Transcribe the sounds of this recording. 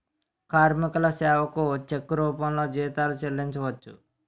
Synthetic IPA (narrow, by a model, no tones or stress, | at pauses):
kaːɾmikulɐsɛːʋɐkut͡ʃekːuɾuːpɐmlo̞ːd͡ʒiːt̪aːlut͡ʃelːiɲt͡ʃɐʋɐt͡ʃːu